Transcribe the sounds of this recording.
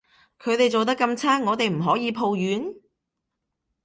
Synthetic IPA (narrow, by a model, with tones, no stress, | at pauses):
kʰɵ˨˧˥jt̪e˨jt͡so˨wt̪̬ɐ˥kːɐ˧mt͡sʰaː˥ŋŋːɔː˨˧t̪e˨jm̩˨˩ɦɔː˨˥jiː˨˧pʰo˨˧wjyː˨˧˥n